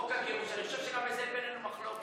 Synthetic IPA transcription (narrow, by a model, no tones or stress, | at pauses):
kakiʁuʃaniχoʃevʃeɡamezɛnbenenumaχlok